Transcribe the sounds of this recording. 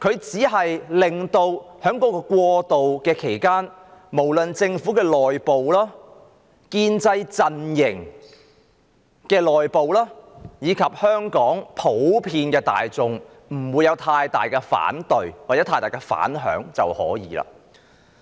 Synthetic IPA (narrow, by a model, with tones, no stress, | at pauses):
kʰɵ˨˧ɥt͡siː˨˥ɦɐ˨jlɪ˨˩ŋt̪o˧whœː˨˥ŋkɔː˨˥kɔː˧kwɔː˧t̪o˨wkɛː˧kʰe˨˩jkaː˥nmo˨˩wlɵ˨nt͡sɪ˧ŋfu˨˥kɛː˧lɔː˨jpo˨wlaː˥ | kiː˧nt͡sɐ˧jt͡sɐ˨njɪ˨˩ŋ | kɛː˧lɔː˨˩jpo˨wlaː˥jiː˨˧kʰɐ˨p̚hœː˥ŋkɔː˨˥ŋpʰo˨˥wpʰiː˧nkɛː˧t̪a̰ː˨jt͡sʊ˨ŋ | m̩˨˩wuː˨˧jɐ˨˧wt̪ʰaː˧jt̪a̰ː˨jkɛ˧fa̰ː˨˥nt̪ɵ˨ɥwaː˨˩t͡sɛː˨˧˥t̪ʰaː˧jt̪aː˨˩kɛ˧fa̰ː˨˥nɦœ̰ː˨˥ŋt͡sɐ̰˨whɔ̰ː˨˥jḭː˨˥la̰ː˧